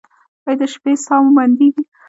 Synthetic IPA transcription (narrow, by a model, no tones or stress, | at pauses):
wajd̪əʃpesɑmmand̪iɡi